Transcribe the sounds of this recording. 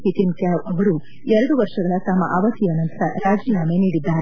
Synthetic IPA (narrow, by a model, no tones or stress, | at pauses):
pit̪imkjaːʋɐʋɐɾu | ɛɾɐɽuʋɐɾʂɐɡɐɭɐt̪amɐ̰ʔaːʋɐt̪ijaːnɐnt̪ɐɾɐɾaːd͡ʒiːjaːme̞niːɽid̪ːaːɾe